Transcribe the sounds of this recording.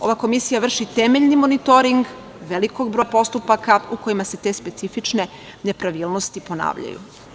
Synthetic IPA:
o̞̰ʋako̞misijaʋr̩ʃit̪emeʎnimo̞nit̪o̞ɾiŋɡ | ʋe̞liko̞ɡ̚bɾopo̞st̪upakauko̞jimaset̪e̞spe̞t̪sifit͡ʃne̞ | ne̞pɾaʋiːlˠno̞st̪ipo̞na̰ːʋʎa̰jṵ

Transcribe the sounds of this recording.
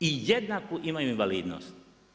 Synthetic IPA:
ijed̪nakoʔimajuinʋaliːd̪no̰st̪

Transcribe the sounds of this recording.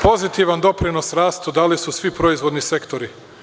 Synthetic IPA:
po̞zit̪iʋand̪o̞pɾino̞sɾaːst̪ud̪alisusʋipɾo̞izʋo̞d̪nise̞kt̪o̞ɾi

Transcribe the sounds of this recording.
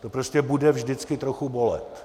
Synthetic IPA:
t̪opɾoscʲɛbudɛvʒdɪt͡skɪt̪ɾoxubo̞lɛ̰t̪

